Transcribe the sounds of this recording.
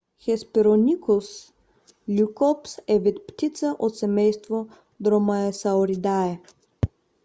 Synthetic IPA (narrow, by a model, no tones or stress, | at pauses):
xɛspiɾonʲikus | lʲukɔpsɛvit̪pt̪ʲit̪saʔot̪sɛmɛjst̪vo | d̪ɾɔmaɛsaoɾid̪aɛ